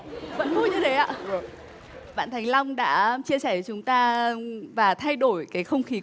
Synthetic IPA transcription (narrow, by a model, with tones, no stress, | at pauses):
və̰˧˥nvu˧ɲɨ˧ɗe˨˦jʔa̰ː˧ | ɓa̰ː˧˨nt̪ʰa˨˩jŋ̟la˧wŋ͡mɗa̰ː˧˥t͡ɕi˧əsɛː˧˩t͡ɕʊ˨˦ŋ͡mt̪aː˧vaː˨˩t̪ʰa˧jɗo˧˩jkaː˨˦jxə˧wŋ͡mxi˨˦